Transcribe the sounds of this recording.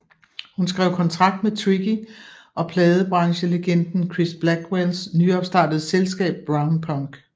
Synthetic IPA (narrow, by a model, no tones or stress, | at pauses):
hunsɡ̥ʁɛ̰ʊkʰɒ̽nt͡sʰʁɑ̈ɡ̥̚d̥met͡sʰʁiɡ̥iʔɒ̽pʰlɛːð̞ˠəb̥ʁɑ̈ŋɕəleɡ̥en̰d̥n̩kʰʁisb̥læɡ̥welsnyɒ̽b̥sd̥ɑ̈ːd̥əð̞̩ˠselsɡ̥ɛ̰ːb̥̚ːʁɑ̈ʊnpʰɒŋɡ̥